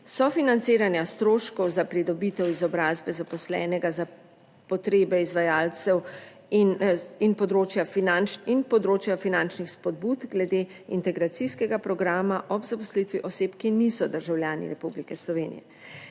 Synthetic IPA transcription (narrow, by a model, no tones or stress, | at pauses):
sɔfinant̪seːɾanjast̪ɾoːʃkɔwzapɾid̪ɔbit̪ɛwizɔbɾaːzbɛzapɔslɛ̰ːnɛɡaza | pɔt̪ɾeːbɛizʋajaːlt̪sɛw | ninpɔd̪ɾoːt͡ʃjafinant͡ʃinpɔd̪ɾoːt͡ʃjafinant͡ʃnixspɔd̪̚but̪ɡlɛd̪eː | int̪ɛɡɾat̪siskɛɡapɾɔɡɾaːmaʔɔbzapɔslit̪ʋiʔɔseːpkinisɔd̪əɾʒawljaːnḭɾɛpublikɛslɔʋeːnḭjɛ̰